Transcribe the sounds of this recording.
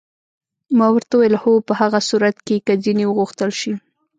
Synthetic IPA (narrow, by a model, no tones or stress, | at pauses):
mɑwəɾt̪awjəlhopəhaɣasuɾat̪kekəd͡zinewəɣuxt̪əlʃi